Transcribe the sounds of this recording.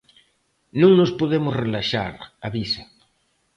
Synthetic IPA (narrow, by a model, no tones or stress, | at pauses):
nũŋnospoðemʊsrelaʃa̰ɾaβisḁ